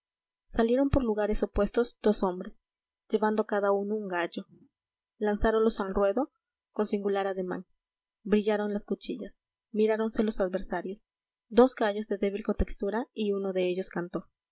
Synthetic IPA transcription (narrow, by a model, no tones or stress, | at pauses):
salje̞ɾo̞mpo̞ɾluɣaɾe̞sopwe̞st̪o̞zd̪̥o̞so̞mbɾes | ʝe̞βand̪okaðauno̞uŋɡaʝo̞ | lansaɾonlo̞salrwe̞ðo̞ | ko̞nsiŋɡulaɾaðe̞ma̰ŋ | bɾiʝaɾo̞nlaskut͡ʃiʝas | miɾaɾo̞nse̞lo̞saðβe̞ɾsaɾjos | d̪o̞zɡaʝo̞zðe̞ðe̞β̞ilko̞nt̪e̞kst̪uɾaiuno̞ðe̞eʝo̞skant̪o̞